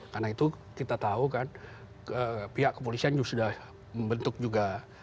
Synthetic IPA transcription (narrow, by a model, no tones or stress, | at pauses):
karnait̪u | kit̪at̪aukan | əpiɦaʔkəp̬olisiand͡ʒusudah | məmbənt̪ʊk̚d͡ʒuɡa